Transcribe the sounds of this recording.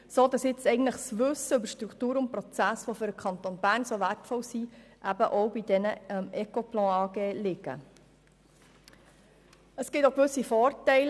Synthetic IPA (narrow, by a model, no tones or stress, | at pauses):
soːdɑsjɪt͡sɛɪɡən̩tləχsʋʏsːəʏbəɾʃtɾukχt̪uːɾʊnt̚pɾɔt͡sæsʋofʏɾəkʰɑnt̪oːnb̥æːrnsoʋærtfɔlsiʔæbəʔowbid̪ɛnəmɛkoplɑ̃ːɑːɡeːlɪɡ̥ə̰ | əskɡɪt̪okʋʏsifɔːrtɛɪl